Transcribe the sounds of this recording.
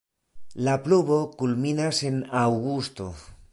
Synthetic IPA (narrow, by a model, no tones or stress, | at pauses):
lapluβokulminasenawɣust̪o